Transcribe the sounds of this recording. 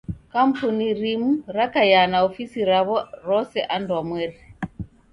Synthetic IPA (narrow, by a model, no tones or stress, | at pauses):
kampuniɾimuɾakajanaofisiɾaβɔɾɔsɛʔandwamwɛɾ